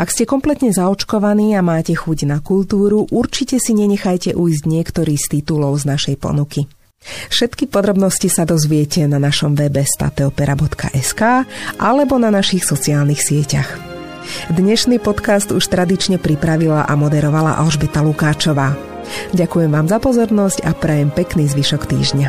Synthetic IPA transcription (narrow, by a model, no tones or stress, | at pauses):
ʔakscɛkɔmplɛt̪ɲɛzaɔt͡ʃkɔʋaniːamaːcɛxuɟnakult̪uːɾuʔuɾt͡ʃicɛsiɲɛɲɛxajcɛʔujzɟɲɪɛkt̪ɔɾiːst̪it̪ulɔʊznaʃɛjpɔ̰nuki | fʃɛt̪kipɔd̪ɾɔbnɔscisad̪ɔzʋɪɛcɛnanaʃɔmʋɛbɛst̪a̰t̪ɛɔpɛɾabɔt̪kʰa̰ʔɛskaːʔalɛbɔnanaʃixsɔt͡siaːlnixsɪɛcax | d̪ɲɛʃniːpɔt̪kast̪uʃt̪ɾad̪it͡ʃɲɛpɾipɾaʋilaʔamɔd̪ɛɾɔʋala̰ʔa̰lʒbɛt̪alukaːt͡ʃɔʋaː | ɟakujɛmʋaːmzapɔzɔɾnɔscapɾɛjɛmpɛkniːzʋiʃɔkt̪ḭːʒɲa